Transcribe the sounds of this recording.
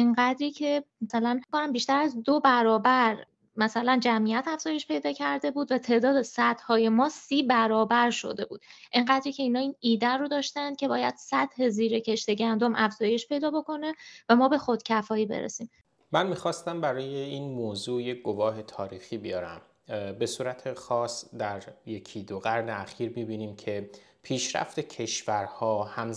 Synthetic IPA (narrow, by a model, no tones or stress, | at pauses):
eŋɢæd̪ɾiːcʰe̞mæsælænkonæmbiːʃt̪æɾæzd̪obæɾɒːbæɾ | mæsælænd͡ʒæmʔijæt̪æfz̥ɒːjeʃpʰe̞jd̪ɒːcʰæɾd̪e̞buːd̪væt̪ʰe̞ːʔd̪ɒːd̪esæd̪̥hɒːje̞mɒːsiːbæɾɒːbæɾʃo̞̰d̪e̞buːd̪̥ʔeŋɢæːd̪ɾiːcʰe̞iːnɒːiːniːd̪ærod̪ɒːʃt̪ænd̪̚cʰe̞bɒːjæd̪̥sæd̪̥he̞ziːɾe̞cʰe̞ʃt̪e̞ɟænd̪omʔæfz̥ɒːje̞ʃpʰe̞jd̪ɒːbo̞ko̞ne̞væmɒːbe̞xo̞d̪̥cʰæfɒːiːbe̞̰ɾḛsiːm | mænmiːxɒːst̪æmbæɾɒːje̞iːnmoːzuːjekɡo̞vɒːɦe̞t̪ʰɒːɾiːxiːbijɒːɾæ̰m | be̞suːɾæt̪ʰexɒːsd̪æɾje̞cʰid̪oɣæɾneæxiːɾmiːbiːniːmcʰe̞ | pʰiːʃɾæ̰ft̪e̞cʰe̞ʃvæɾhɒːhæm